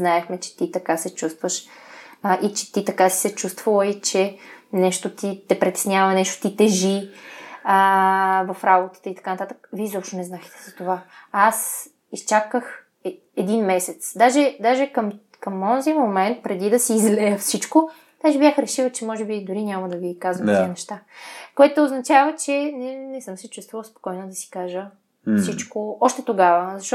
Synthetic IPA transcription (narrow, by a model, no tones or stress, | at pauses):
znaɛxmɛt͡ʃɛ̥t̪it̪ɐkasɛt͡ʃust̪vəʃ | ʔit͡ʃɛ̥t̪it̪ɐkasi̥sɛt͡ʃust̪vəlˠəit͡ʃɛnɛʃt̪ot̪it̪ɛpɾɛt̪ɛ̥snʲavɐnɛʃt̪o̥t̪it̪ɛʒi | əvɐfɾabot̪ə̥t̪əit̪ɐ̥kanɐt̪at̪ə̥kə̥viɛzɔpʃt̪onɛznaxt̪ɛ̥z̥ɐt̪ovaas | ist͡ʃakəx | ɛd̪inmɛsɛt̪sd̪aʒɛd̪aʒɛkəm | kɐmɔzimomɛnt̪̚pɾɛd̪id̪ɐsiːzlɛjəfsit͡ʃko | d̪̥aʒɛbjaxɾɛʃivət͡ʃɛmɔʒɛbid̪ʊɾinʲaməd̪ɐvikazvɐminɛʃt̪akoɛt̪ooznɐt͡ʃavət͡ʃɛnɛnɛsɤmsɛt͡ʃust̪vəvlˠspo̥kɔjnod̪ɐsi̥kaʒə | fsit͡ʃkoɔʃt̪ɛt̪oɡavəzɐʃt̪ɔ